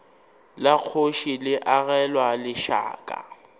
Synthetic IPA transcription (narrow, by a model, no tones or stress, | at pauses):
lak͡xʰoʃilɪʔaɣɛlwalɪʃa̰ːkʼa̰